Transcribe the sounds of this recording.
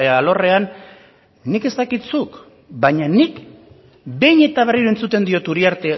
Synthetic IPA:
eaːlo̞re̞anː | ike̞st̪akit̪suk | baɲanik | be̞jɲe̞t̪aβ̞e̞riɾue̞nt͡sut̪e̞nd̪io̞t̪uɾiaɾt̪e̞

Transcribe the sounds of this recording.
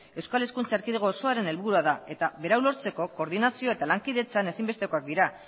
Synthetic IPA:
e̞wskale̞skunt͡saeɾkiðeɣoːso̞aɾe̞ne̞lβuɾuaðae̞t̪aβe̞ɾawlo̞ɾt͡se̞ko̞ko̞ɾðinasio̞e̞t̪alaŋkiðe̞t͡sane̞simbe̞st̪e̞ko̞ak̚d̪iɾa

